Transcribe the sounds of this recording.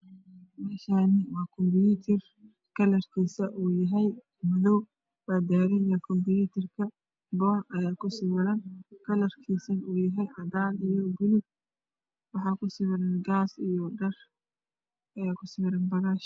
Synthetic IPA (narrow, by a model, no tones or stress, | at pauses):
mɛːʃaːnɪwɑːkʰɔmbɪjuːt̪ʰɛr | kʰɐlɐrkʰiːsɐʔuːjɐɦɛj | mʊðɔw | wad̪aːɾɪjɐkʰɔmbɪjut̪ʰɐrkʰɐ | bɔːrɐjaːkʰʊsɪβɐɾɐnkʰɐlɐrkʰiːsɐnuːjɐɦɛjɐðaːlijɔbʊlʊɡ̚ | wɑħɑːkʰʊsɪβɐɾɐnɡaːsijɔɖɐr | ɐjaːkʰʊsɪwɪɾɐnbɐɣaːʃ